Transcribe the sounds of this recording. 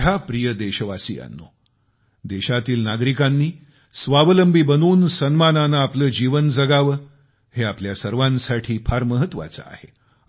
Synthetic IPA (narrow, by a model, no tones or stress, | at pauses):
ɦapɾijəd̪eɕəʋasḭːa̰nːo̰ | d̪eɕat̪iːlnaɡɾikanːiː | sʋaʋələmbʱiːbənuːnsənmananaːpləːd͡ʑiʋənd͡zəɡaʋə | heapljasəɾʋansaʈʰiːpʰaɾməɦət̪ːʋa̰t͡sə̰a̰hḛ